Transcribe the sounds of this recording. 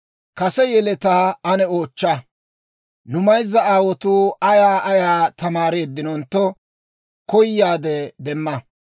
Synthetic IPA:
kɐsɛjɛlɛt̪aːɐnɛoːt͡ʃːɐ | nʊmɐjzːɐaːwɔt̪uɐjaːʔɐjaːt̪ɐmaːɾeːd̪ːɪnɔnt̪ːɔ | kɔjːaːd̪ɛd̪ɛmːɐ

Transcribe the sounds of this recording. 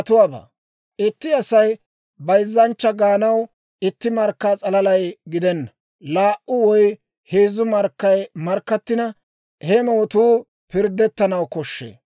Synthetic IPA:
ɐt̪ʊwaːba̰ː | ʔɪt̪ːɪɐsɐj | bɐjzːɐnt͡ʃːɐɡaːnɐw | ɪt̪ːɪmɐɾkːaːt͡sʼɐlɐlɐjɡɪd̪ɛnːɐ | laːʔʊwɔj | heːzʊmɐɾkːɐjmɐɾkːɐt̪ːɪnɐ | hɛmɔwɔt̪uː | pɪɾd̪ːɛt̪ːɐnɐwkɔʃːḛː

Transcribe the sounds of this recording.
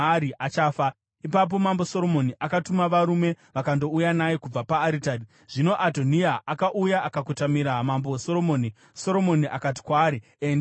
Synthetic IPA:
ɾiʔat͡ʃaːfa | ipap̬o̞mambo̞soɾo̞moniʔakatumaʋaɾume̞ | ʋakando̞ujanajekub͡vapaːɾitadi | ʐ̥ino̞ʔatoniaʔakaʔujaʔakakutamiɾamamboso̞ɾo̞moːni | so̞ɾo̞mo̞niʔakat̬i̥kwaːɾi | ende

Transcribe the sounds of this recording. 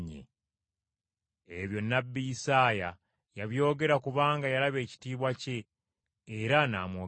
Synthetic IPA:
ɲḛ | eβjo̞nːabːijisaːja | jaβjo̞ːɡe̞ɾakuβaːŋɡajalaβe̞ːci̥tiːβwace̞ː | ɾana̰ːmwoː

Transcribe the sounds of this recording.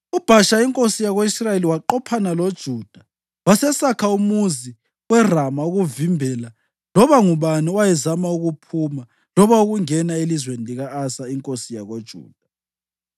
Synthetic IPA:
ub̥ʱaʃaiŋkʼosijaɣoisraeliwaǃɔpʰanalod̥ʒ̥ʱuːd̥ʱa | wasɛsakʰaumuzi | wɛramauɣuvimbʱɛla | lɔβaŋuβaniwajɛzamauɣupʰuma | lɔβauɣuŋɛnaelizweniliɣaːsaiŋkʼosijaɣod̥ʒ̥ʱṵːd̥ʱa

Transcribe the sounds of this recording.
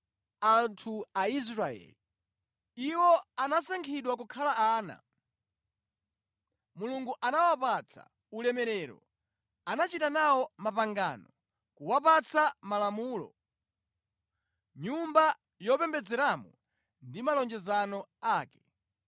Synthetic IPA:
antʰuais̬ɾaɛ̰li | iwɔanasaŋkʰiɗwakukʰalaaːna̰ | muluŋɡuʔanawapat͡sʰa̰ | ulɛmɛɾɛɾɔ̰ | anat͡ʃitanawɔmapaŋɡa̰ːnɔ | kuwapat͡samalamuːlɔ̰ | ɲumba | jɔpɛmbɛd͡zɛɾamɔ̰ | ndimalɔnd͡ʒɛzanɔaːkɛ̥

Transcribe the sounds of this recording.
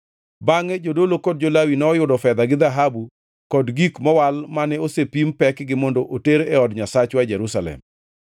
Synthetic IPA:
baŋɛd͡ʒodolokɔd̚d͡ʒolawinɛːjʊdɔfɛd̪aɡɪd̪aɦabu | kɔdɡikmɔwalmanɛosepimpɛkɡɪmɔndoʔoteɾɛɔdɲasat͡ʃwad͡ʒɛɾusalɛ̰m

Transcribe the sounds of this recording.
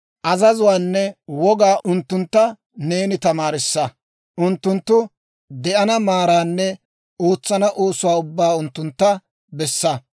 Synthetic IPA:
ʔɐzɐzʊwaːnːɛwɔɡaːʔʊnt̪ːʊnt̪ːɐ | ne̞ːnɪt̪ɐmaːɾɪsːɐ | ʔʊnt̪ːʊnt̪ːʊ | d̪ɛʔɐnɐmaːɾaːnːɛ | oːt͡sːɐnɐʔoːsʊwaːʊbːaːʊnt̪ːʊnt̪ːɐ | bɛsːɐ

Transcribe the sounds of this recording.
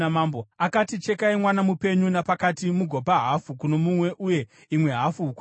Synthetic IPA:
maːmboakatit͡ʃe̞kaimwanamupe̞ɲunapakatimuɡʱo̞paɦafukuno̞mumwe̞ʔuje̞ | imwe̞ɦafuk

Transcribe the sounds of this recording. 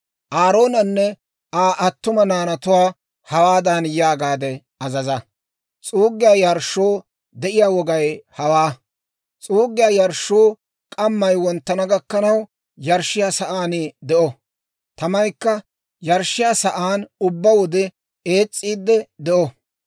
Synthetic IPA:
ʔaːɾo̞ːnɐnːɛ | ʔaːʔɐt̪ːʊmɐnaːnɐt̪ʊwaː | hɐwaːd̪anjaːɡaːd̪ɛ | ɐzɐzɐ | t͡sʼuːɡɪjaːjɐɾʃːoː | d̪ɛʔɪjaːwɔɡɐjhɐwaː | t͡sʼuːɡːɪjaːjɐɾʃoː | kʼɐmːɐjwɔnt̪ːɐnɐɡɐkːɐnɐw | jɐɾʃːɪjaːsɐʔaːnɪd̪ɛʔɔ | t̪ɐmɐjkːɐ | jɐɾʃːɪjaːsɐʔaːnʊbːɐwɔd̪ɛ | e̞ːt͡sʼːiːd̪ːɛd̪ɛʔɔ

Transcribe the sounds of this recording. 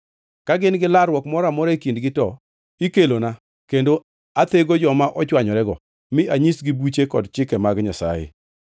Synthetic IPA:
kaɡɪnɡɪlarwɔkmɔɾamɔɾɛkindɡɪtɔ | ikelona | kendo | at̪eɡod͡ʒɔmaʔɔt͡ʃwaɲɔɾɛɡɔ | mɪʔaɲisɡibut͡ʃekɔdt͡ʃɪkɛmaɡɲasa̰jḛ

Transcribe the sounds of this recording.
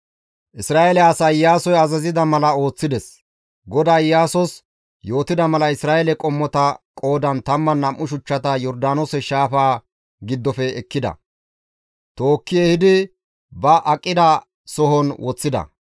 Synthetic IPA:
ʔɪsɾaːʔɛlɛaːsɐjjaːsɔjɐzɐzɪd̪ɐmɐlɐo̞ːt͡sːɪd̪ɛs | ɡɔd̪aːjːaːsɔs | jo̞ːt̪ɪd̪ɐmɐlɐɪsɾaːjɛlɛkʼɔmːɔt̪ɐkʼo̞ːd̪ɐnt̪ɐmːɐnːɐmʔːʊʃ̬ʊt͡ʃːɐt̪ɐjɔɾd̪aːnosɛʃaːfaː | ɡɪd̪ːɔfɛːkːɪd̪ɐ̰ | t̪o̞ːkːɪjɛhɪd̪ɪ | bɐʔɐkʼːɪd̪ɐ | sɔɦɔnwɔt͡sːɪd̪ɐ̰

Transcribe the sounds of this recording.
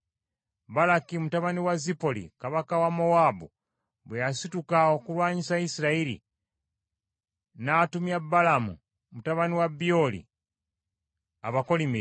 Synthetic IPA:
balakimutaβaniwazipo̞lḭkaβakawamo̞wabṵ | βwejasitukaokulwaːɲisaisiɾaiɾḭ | naːtumjabalamṵ | mutaβaniwabio̞lḭ | a̰βako̞limi

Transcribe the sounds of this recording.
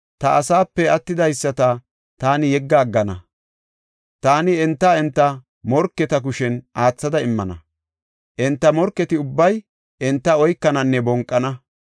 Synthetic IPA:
t̪ɐʔːsaːpːɛɐt̪ːɪd̪ɐjsːɐt̪ɐ | t̪aːnɪjɛɡːaːɡːɐnɐ̰ | t̪aːnɪɛnt̪ːɐɛnt̪ːɐ | mɔɾkːɛt̪ɐkʊʃɛnʔaːt͡sːɐd̪ɐɪmːɐnɐ̰ | ʔɛnt̪ːɐmɔɾkːɛt̪ɪʊbːɐj | ʔɛnt̪ːɐɔjkːɐnɐnːɛbɔŋkʼːɐnɐ

